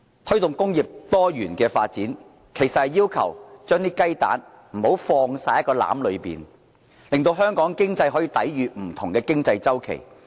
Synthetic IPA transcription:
t̪ʰɵ˥ɥt̪ʊ˨ŋkʊ˥ŋjiː˨p̚t̪ɔː˥jyː˨˩nkɛː˧faː˧t̚t͡siː˨˥n | kʰe˨˩jsɐ˨t̚hɐ˨jːiː˥wkʰɐ̰˨˩wt͡ʃœː˥ŋt̪iː˥kɐ˥jt̪a̰ː˨˥n | m̩˨˩ho˨˥wfɔː˧ŋsaː˧jɐ˥t̚kːɔː˧la̰ː˨˥mlɵ˨˧ɥpḭː˨n | lɪ˨ŋt̪̬o˧wɦœː˥ŋkɔː˨˥ŋkɪ˥ŋt͡sɐ˧jɦɔː˨˥jiː˨˧t̪ɐ̰˨˥jɥyː˨m̩˨˩t̪ʰʊ˨˩ŋkɛː˧kɪ˥ŋt͡sɐ˧jt͡sɐ˥wkʰḛ˨˩j

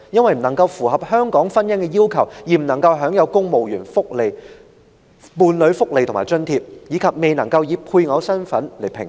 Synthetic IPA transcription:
jɐ˥nwɐ˨jm̩˨˩nɐ˨˩ŋkɐ˧wfuː˨˩ɦɐ˨p̚hœː˥ŋkɔː˨˥ŋfɐ˥njɐ˥ŋkɛː˧jiː˥wkʰɐ˨˩wjiː˨m̩˨˩nɐ˨˩ŋkɐ˧wɦœː˨˥ŋjɐ˨˧wkʊ˥ŋmo˨wjyː˨˩nfʊ˥k̚le˨˧j | muː˨˧nlɵ˨˧˥ɥfʊ˥k̚le˨jt̪ʰʊ˨˩maː˨˩jt͡ʃɵ˥nt̪ʰiː˧p̚jiː˨˧kʰɐ˨p̚me˨jnɐ˨˩ŋkɐ˧wjiː˨˧p̚pʰuː˧jŋɔː˨˧wsɐ˥nfɐ˨˥nle˨˩jpʰɪ̰˨˩ŋ

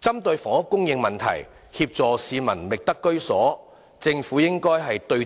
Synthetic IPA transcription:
t͡sɐ˥mt̪ɵ˧ɥfɔː˨˩ŋɐ˥kːʊ˥ŋjɪ˧ŋmɐ˨nt̪ʰɐ̰˨˩j | hiː˧p̚t͡sɔː˨˩siː˧mɐ̰˨˩nmɪ˨k̚t̪ɐ˥kːɵ˥ɥsɔː˨˥ | t͡sɪ˧ŋfuː˨˥jɪ˥ŋkɔː˥jɦɐ˨jt̪ɵ˧

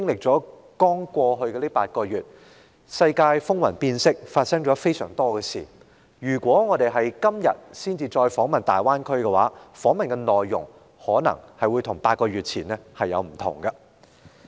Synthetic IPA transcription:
kɪ˥ŋlɪ˨k̚t͡sɔː˨˥ | kɔː˥ŋkʷɔː˧ɦɵ˧ɥkɛː˧liː˥paː˧t̚kɔː˧ɥyː˨t̚ | sɐ˧jkaː˧jfʊ˥ŋwɐ˨˩npiː˧nsɪ˥k̚faː˧t̚sɐ˥ŋt͡ʃɔː˨˥fe˥jsœː˨˩ŋt̪ɔː˥kɛː˧sḭː˨˩ | jyː˨˩kʷɔː˨˥ŋɔː˨˧t̪e˨jɦɐ˨˩jkɐ˥mjɐ̰˨t̚siː˥nt͡siː˧t͡ʃɔː˧jfɔː˨˥ŋmɐ˨nt̪aː˨˩jwaː˥nkʰɵ˥ɥkɛ˧wa̰ː˨˦˥fɔː˨˥ŋmɐ˨nkɛ˧nɔː˨jːʊ̰˨˩ŋ | hɔː˨˥nɐ̰˨˩ŋhɐ˨jwuː˨˧jt̪ʰʊ˨˩ŋpaː˧t̚kɔː˧ɥyː˨t̚t͡sʰiː˨˩nɛː˥hɐ˨jːɐ̰˨˧wm̩˨˩t̪ʰʊ̰˨˩ŋɡɐ˧

